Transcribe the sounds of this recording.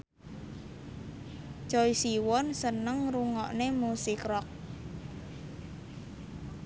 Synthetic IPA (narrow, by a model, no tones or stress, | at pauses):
t͡ʃɔisiwɔnsənəŋruŋɔʔnemusikrɔk̚